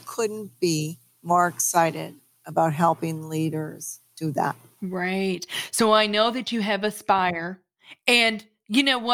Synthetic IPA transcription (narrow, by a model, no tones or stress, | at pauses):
kʰʊdⁿn̩b̥i | mɔɹɨksaɪɾɪ̰ɾ | əbaʊt̚ɦɛlˠpɪ̃ŋliɾə˞z̥d̥ɨðæ̰t̚ | ɹaɪt̚soʊaɪnoʊðɨt͡ʃɨɨvɨspaɪə˞ | ɨ̃n | jɨnoʊwʌ